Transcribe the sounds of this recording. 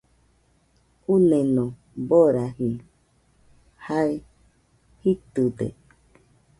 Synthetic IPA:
unẽnõ | boɾaɦi | hae | hit̪ɨd̪ḛ

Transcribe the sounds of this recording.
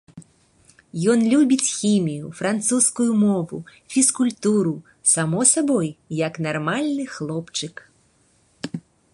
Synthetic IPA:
jɔnlʲubʲit͡sʲxʲimʲijufɾant̪suskujumɔvṵfʲiskulʲt̪uɾu | samɔsabɔjjɐknarmalʲnɨxlˠɔpt͡ʂɨk

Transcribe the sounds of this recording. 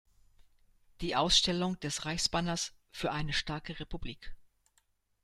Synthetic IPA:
d̥iːʔaʊsʃtɛlʊŋd̥ɛsʁaɪçsb̥anɐs | fyːɐʔaɪnəʃtaɐkəʁepubliːk

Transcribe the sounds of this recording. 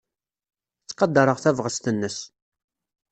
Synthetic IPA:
t͡sːqɑd̪ːɑɾˤəʁθævʁəst̪ənːəs

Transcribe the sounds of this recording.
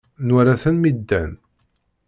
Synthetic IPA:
nʊɾaθənmid̪ːæn

